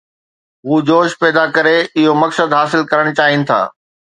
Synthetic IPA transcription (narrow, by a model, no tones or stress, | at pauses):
ɦuːd͡ʑoːʃpɛːd̪akɐɾeɪɦomɐksəd̪ɦaːsɪlkɐɾəɽ̃t͡ɕaːɦɪnɪ̆t̪ʰa̰ː